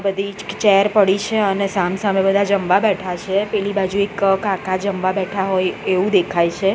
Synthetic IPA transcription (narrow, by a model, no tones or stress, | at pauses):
bəd̪ʱid͡ʒkt͡ʃɛɾpəɽit͡ʃʰeənesamsamebəd̪ʱad͡ʒəmʋabɛʈʰat͡ʃʰepɛlibad͡ʒuekkãkad͡ʒəmʋabɛʈʰaɦojeʋũd̪ekʰajt͡ʃʰe